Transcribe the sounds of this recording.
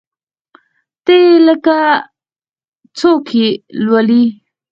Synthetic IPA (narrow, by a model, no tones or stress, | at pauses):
t̪eləka | t͡sokʰilwali